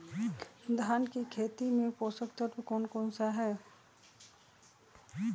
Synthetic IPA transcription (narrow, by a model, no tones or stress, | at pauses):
d̪ʱaːnkikʰeːt̪imẽpoːsəkt̪ət̪ekɔːnkɔːnsaɦɛː